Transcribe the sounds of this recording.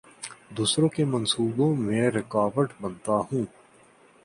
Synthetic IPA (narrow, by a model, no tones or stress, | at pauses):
d̪uːsɾõːkemɐnsuːbõmẽːɾɪkaːʋəʈbɐnt̪aɦũː